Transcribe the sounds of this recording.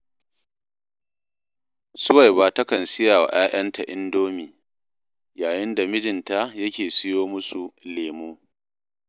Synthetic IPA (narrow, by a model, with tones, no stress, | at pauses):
sʊ˦wa˨jba˦ta˦kɐ˨nsɪ˦jaː˨wa̰˨ʔaː˦ʔɐ˦nta˨ʔɪ˦ndoː˦miː˨ | jaː˨jɪ˦nda˨mɪ˦d͡ʒɪ˨nta˦jɐ˦kʲeː˨sɪ˦joː˦mʊ˦su˨leː˨muː˦